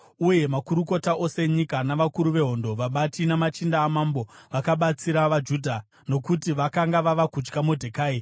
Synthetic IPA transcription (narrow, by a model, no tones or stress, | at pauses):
uje̞makuɾuko̞taʔo̞seɲikanaʋakuɾuʋe̞ɦo̞ndo̞ʋaɓatinamat͡ʃindaːmambo̞ʋakaɓat͡siɾaʋad͡ʒuːdʱa | no̞kutiʋakaŋɡaʋaʋakut͡ʃkamudʱekaːe